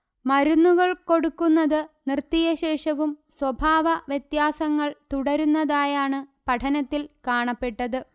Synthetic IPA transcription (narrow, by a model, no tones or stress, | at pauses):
mɐɾunːuɣɐɭko̞ɽukːunːɐðɨnrt̪ːijɐɕe̞ːʂɐʋumswɐbʱaːʋɐʋjet̪jaːsɐŋːɐɭt̪uɽɐɾunːɐðaːjaːɳɨpɐʈʰɐnɐt̪ːilkaːɳɐpːe̞ʈːɐðɨ